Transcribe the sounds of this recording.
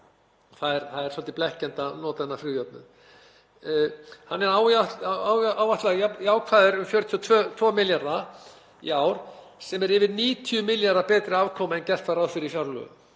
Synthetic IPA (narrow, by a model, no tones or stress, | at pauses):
ɔθaðɛɾθaðɛɾ̥sɔlt̪ɪplɛhcɛnt̪anɔːt̪aɛnːafɾʏjœp̚nʏ̰ | hanːɛɾawaawawvaht̪laɣajaːwkʰvaːðʏɾʏmfjœɾt̪ʰiɔt̪ʰvœːt̪ʰvɔːmɪljaɾða | ḭaːwɾ̥sɛmɛɾɪvɪðniːt̪ʰiʏmɪljaɾðapɛːt̪ɾɪaːvkʰɔːmaɛncɛr̥t̪faɾaðfɪɾɪifjawɾlœ̰ɣ̰